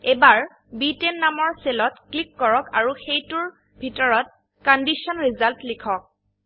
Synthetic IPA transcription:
ebaɹ | bitenːamɔɹselɔtklikːɔɹɔka̰ɹuxejtʊɹ | bʱitɔɹɔt̚ | kɔndisɔnɹizaltlikʰɔk̚

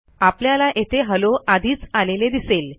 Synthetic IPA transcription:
apljalaʔet̪ʰeɦəloʔad̪ʱiːt͡saleled̪isel

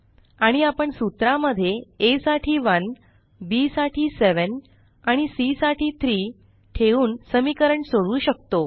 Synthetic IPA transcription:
aɽ̃iapəɳsut̪ɾaməd̪ʱːjeesaʈʰiːʋən | bisaʈʰiːseʋən | aɽ̃isisaʈiːt̪ʰɾiː | ʈʰeuːnsəmikəɾəɳsoɽuːɕək̚t̪o

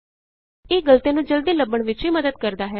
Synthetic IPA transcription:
ɪːɡəlt̪eːnũːd͡ʒəld̪iːləbəɳʋɪt͡ʃɦiːməd̪əd̪̚kəɾd̪aːɦɛː

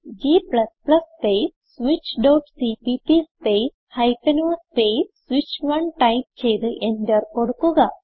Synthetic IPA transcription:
d͡ʒiːplɐsplɐspesswit͡ʃɖoːʈsipipispeːshajpenuspesswit͡ʃʋɐnʈajp̚t͡ʃʰejd̪ɨʔend̪əɾkoɽkuɡa

